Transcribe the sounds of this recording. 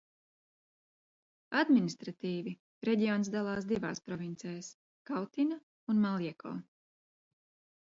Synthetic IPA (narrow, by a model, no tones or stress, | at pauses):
ad̪minist̪ɾat̪iːvi | ɾɛɟiɔːnsd̪alˠɑːsd̪iva̰ːspɾɔvint̪sɛːjs | kawt̪ina | unmalˠiɛkʰɔ̰ː